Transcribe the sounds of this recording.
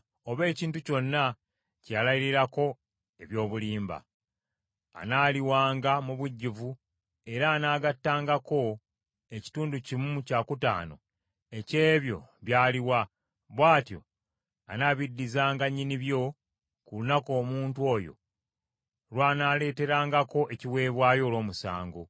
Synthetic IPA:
o̞βe̞ːciːntuco̞nːa | calajiɾiɾako̞ | e̞βjo̞ːβuliːmba̰ | naːliwaːŋɡamuβuɟːivu | e̞ɾaːnaːɡatːaːŋɡako̞ | e̞ci̥tuːnducimucaːkuta̰ːno̞̰ | e̞ce̞ːβjo̞̰βjaːliwa | βwaːtjo̞̰ | a̰naːβidːizaːŋɡaɲːiniβjo̞ | kulunako̞ːmuːntwo̞ːjo̞̰ | lwaːnaːle̞ːte̞ɾaːŋɡako̞ʔe̞ciwe̞ːβwaːjo̞ːlo̞ːmusa̰ːŋɡo

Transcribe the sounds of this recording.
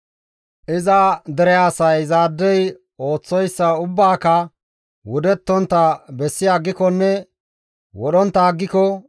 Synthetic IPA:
ʔɪzɐd̪ɛɾɛjaːsɐjzaːd̪ːɛj | o̞ːt͡sːɔjsːɐʊbːaːkɐ | wʊd̪ɛt̪ːɔnt̪ːɐbɛsːɪjaːɡːɪkɔnːɛ | wɔɗɔnt̪ːaːɡːɪkɔ

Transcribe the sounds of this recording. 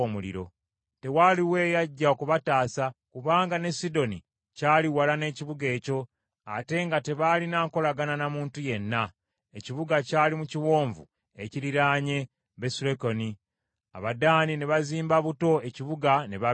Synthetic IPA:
omulḭɾo̞̰ | te̞waliwe̞ːjaɟːaokuβataːsakuβaːŋɡane̞sido̞ni | caːliwalane̞ːciβuɡe̞ːco̞ | a̰te̞ŋɡate̞βalinaːŋko̞laɡananamuːntuje̞nːa | eciβuɡacaːlimuciwo̞ːɱvṵ | e̞ciɾiɾaːɲe̞ | βe̞suleko̞ni | a̰βadaːnineβaziːmbaβuto̞e̞ciβuɡaneβa

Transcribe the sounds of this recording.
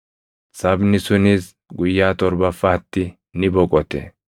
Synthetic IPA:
sɐbnɪsʊniːs | ɡʊjːaːt̪ʼɔɾbɐfːɐːt̪ːɪ | nɪbɔkʼɔt̪ḛː

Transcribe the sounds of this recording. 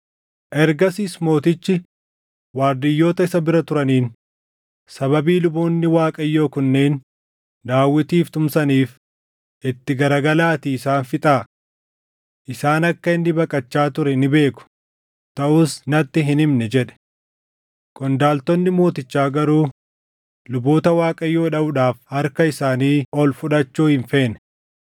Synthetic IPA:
ʔɛɾɡɐsiːsmo̞ːt̪ɪt͡ʃːɪ | waːɾd̪ɪjːo̞ːt̪ɐɪsɐbɪɾɐt̪ʊɾɐniːn | sɐβɐbiːlʊbuːnːɪwaːkʼɐjːo̞ːkʊnːeːn | d̪aːwːɪt̪iːft̪ʊmsɐniːf | ʔɪt̪ːɪɡɐɾɐɡɐlaːt̪iːɪsaːnfɪt̪ʼaː | ʔɪsaːnɐkːɐɪnːɪbɐkʼɐt͡ʃːaːt̪ʊɾɛnɪbe̞ːkʊ̥ | t̪ɐʔʊsnɐt̪ːɪɦɪnɪmnɛd͡ʒɛᶑɛ̥ | kʼɔnd̪aːlt̪ɔnːɪmo̞ːt̪ɪt͡ʃːaːɡɐɾuː | lʊbo̞ːt̪ɐwaːkʼɐjːo̞ːᶑɐbʊᶑaːfhɐɾkɐɪsaːniːɔlfʊᶑɐt͡ʃːuːhɪɱfe̞ːnɛ

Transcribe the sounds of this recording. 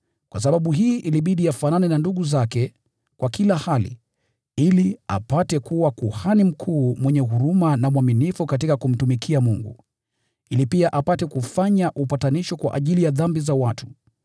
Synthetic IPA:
kwas̬aɓaɓuɦiːʔiliɓiɗiafananɛnanduɠuzakɛ | kwʔakilahalḭ | ilia̰patɛkuwakuhanim̩kʰuːmwɛɲɛɦuɾumanamwaminifukatikakum̩tumikʰiamuŋɡṵ | ilipiaʔapatɛkufaɲaʔupataniʃɔkwa̰ʔa̰ʄilijaðambizawatʰu̥

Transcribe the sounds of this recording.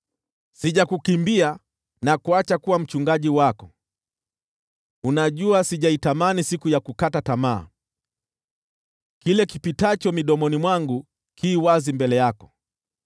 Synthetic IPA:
siʄakukimbia | nakuat͡ʃakuwam̩t͡ʃuŋɡaʄiwakɔ | unaʄuasiʄaitamanisikujakukatatama̰ː | kilɛkipitat͡ʃɔmiɗɔmɔnimwaŋɡu | kʰiːwazimbɛlɛjakɔ̥

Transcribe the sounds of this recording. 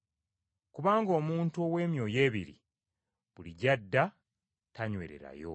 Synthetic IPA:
kuβaːŋɡo̞ːmuːntuowe̞ːmjo̞ːje̞ːβiɾḭ | βuliɟadːa | taɲwe̞̰ːɾe̞̰ɾa̰jo̞̰

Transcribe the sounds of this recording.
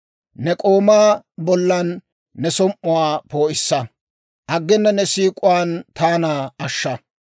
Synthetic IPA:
nɛkʼoːmaː | bɔlːɐnː | ɛsɔmʔʊwaːpo̞ːʔɪsːɐ | ʔɐɡːɪnːɐnɛsiːkʼʊwant̪aːnaːɐʃːɐ

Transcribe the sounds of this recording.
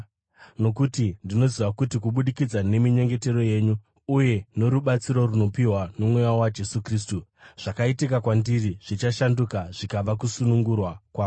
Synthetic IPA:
no̞kutindino̞ziʋakutikuɓuɗikid͡zane̞miɲe̞ŋɡe̞te̞ro̞je̞ːɲuː | je̞ne̞ɾuɓat͡siɾo̞runo̞piɦwanomwejawad͡ʒe̞sukris̬tuʐ̥akaitikakwandiriʐ̥it͡ʃaʃandukaʐikaʋak̬usunuŋɡurwakwaːu

